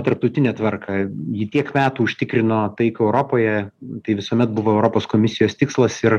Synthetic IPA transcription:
t̪ɐɾp̚t̪ɐʊt̪ʲɪnʲɛːt̪ʋɐrkʰɐjɪt̪ʲiɛkmʲæːt̪uːʊʃʲt̪ʲɪkɾʲɪnoːt̪ɐɪkʊɛʊɾoːpoːjɛt̪ɐɪʋʲɪsoːmʲɛt̪̚bʊʋoːɛʊɾoːpoːskoːmʲɪsʲɪjoːst̪ʲɪkslˠɐsɪr

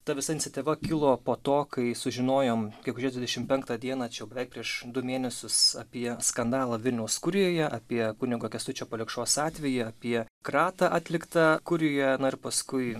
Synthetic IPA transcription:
t̪ɐʋʲɪsɐɪnʲɪtsʲɪt̪ʲɪʋɐkʲɪlˠoːpoːt̪oːkɐɪsʊʒʲɪnoːjoːmɡʲɛkʊʒʲiɛd̪ʋʲɪd̪ʲɛʃʲɪmpʲɛŋkt̪ɐd̪ʲiɛnɑːt͡ʃʲɛjɛʊbʲɛʋʲɛɪk̚pʲɾʲiɛʃd̪ʊmʲeːnʲɛsʲʊsɐ̰pʲiɛskɐnd̪ɑːlˠɐʋʲɪlʲnʲɛʊskʊɾʲɪjoːjɛʔɐpʲiɛkʊnʲɪɡoːkʲɛst̪ʊt͡ʃʲoːpoːlʲɪkʃoːsɑːt̪ʲʋʲɛjɪɐpʲiɛkɾɑːt̪ɑʔɑːt̪ʲlʲɪkt̪ɐkʊɾʲɪjɛnʊɪɾpɐskʊɪ

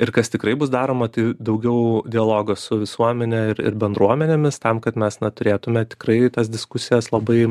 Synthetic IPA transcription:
ɪrkɐst̪ʲɪkɾɐɪbʊsd̪ɑːɾoːmɐt̪ɐɪd̪ɐʊɡʲɛʊd̪ʲɪɐlˠoːɡɐsʊʋʲɪsuɔmʲɛnʲɛɪɾɪ̰ɾbʲɛnd̪ɾuɔmʲɛnʲemʲɪst̪ɐmkɐt̪mʲɛsnɐt̪ʊɾʲeːt̪ʊmʲɛt̪ʲɪ̥krɐɪt̪ɐsd̪ʲɪskʊsʲɪjɛslˠɐbɐɪ

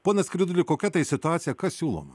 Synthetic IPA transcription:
poːnɐsʲkɾʲɪd̪ʊlʲɪkoːkʲɛt̪ɐɪsʲɪt̪ʊɑːt̪sʲɪjɛkɐssʲuːlˠo̰ːmɐ

